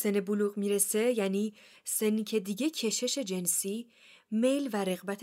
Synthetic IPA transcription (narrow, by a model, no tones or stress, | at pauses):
seneboluːɣmiɾese̞jæniː | senːicʰe̞d̪iɟe̞cʰe̞ʃe̞ʃe̞d͡ʒe̞nsiː | me̞jlvæɾe̞ɣbæt̪ʰ